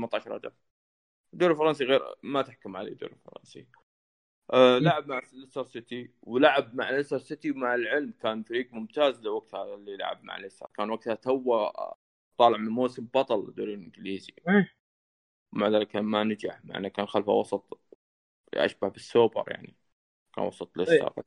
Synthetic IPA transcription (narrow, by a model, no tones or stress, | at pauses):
mat̪ːˤaːʃɑɾˤɑ̰d͡ʒa̰ | d̪oːɾɪlfɑɾˤɑns̬iɣeːɾmat̪ɪħkʊmʕa̰lḛd̪o̰ːɾɪlfɑ̰ɾˤɑ̰nsḭ | ʔlaʕabmaʕlʔɪsɑɾˤsɪt̪iwlaʕabmaʕalʔɪsɑɾˤsɪt̪imaʕalʕɪlmkaːnfaɾiːɡmʊmt̪aːzlawaɡ̚t̪halːila̰ʕa̰b̚ma̰ʕ̰lʔɪsɑ̰ɾˤkaːnwaɡ̚t̪hat̪awːa | t̪ˤːɑːlɪʕmɪnmoːsɪmbɑt̪ˤɑld̪oːɾilʔɪŋɡliːzi | wmaʕðaːlɪkːaːnmanad͡ʒaħma̰ʕ̰nːakaːnxalfa̰wɑsˤɑt̪ˤ | ʔa̰ʃbahbɪsːoːbɑ̰ɾˤja̰ʕni | ka̰ːnwɑ̰sˤɑt̪ˤlʔɪsɑ̰ɾ